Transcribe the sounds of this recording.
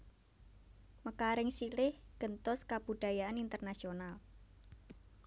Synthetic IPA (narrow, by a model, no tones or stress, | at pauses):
məkaɾɪŋsilɪhɡ̥ə̤nt̪ʊskab̥ṳɖ̪̥a̤jaanint̪ərnasional